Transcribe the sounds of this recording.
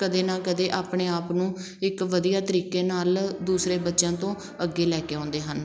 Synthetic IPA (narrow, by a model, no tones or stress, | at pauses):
kəd̪eːnãːkəd̪eːʔaːpɳeːaːpnũː | ɪkʋəd̪ijaːt̪əɾiːkeːnaːld̪uːsɾeːbətːʃãːt̪õː | əɡːeːlɛːkeːɔ̃ːnd̪eːɦən